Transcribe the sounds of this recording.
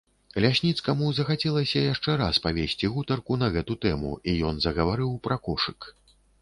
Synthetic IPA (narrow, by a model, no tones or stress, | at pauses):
lʲasʲnʲit̪skɐmuzɐxat͡sʲɛlˠɐsʲɐjaʂt͡ʂɛɾaspavʲesʲt͡sʲiɣut̪ɐrkunɐɣɛt̪ut̪ɛmṵijɔnzɐɣɐvaɾɨwpɾɐkɔʂɨk